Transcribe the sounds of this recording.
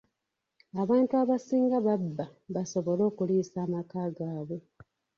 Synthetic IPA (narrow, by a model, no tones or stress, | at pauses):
aβaːntuaβasiːŋɡaβabːaβaso̞βo̞lo̞ːkuliːsaːmakaːɡaːβwe̞